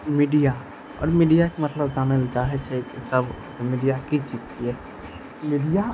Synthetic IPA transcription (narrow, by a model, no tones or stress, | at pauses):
miɖija | ɔ̰ːɾmiɖijakemət̪ləbd͡ʒanəld͡ʒaɦɛt͡ʃʰɛkisəbʱ | miɖijakit͡ʃid͡ʒt͡ʃʰiɛ | miɖija